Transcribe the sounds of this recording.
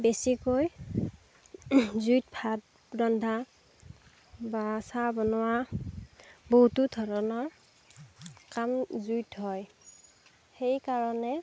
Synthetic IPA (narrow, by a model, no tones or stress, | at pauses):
besikoj | zujt̚pʰat̚ | bɹɔndʱa | basabɔnʊwa | boɦutudʱɔɹɔnɔɹ | kamzujtɦɔj | xejkaɹɔnɛ